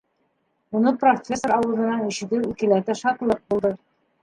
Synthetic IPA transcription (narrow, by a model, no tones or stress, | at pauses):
unɤprofʲesːoɾɑwɤ̆ðˠɤ̆nɑniɕɘ̆k̪ɘwikɘ̆læt̪ɘʃɑt̪lˠɤq̚bulˠd̪ɤ